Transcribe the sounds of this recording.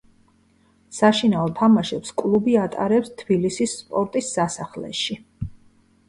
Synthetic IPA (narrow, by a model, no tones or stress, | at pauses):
saʃinaɔt̪ʰamaʃɛpskʼlˠubiat̪ʼa̰ɾɛpst̪ʰbilisisːpʼɔɾt̪ʼisːasaχlɛ̰ʃi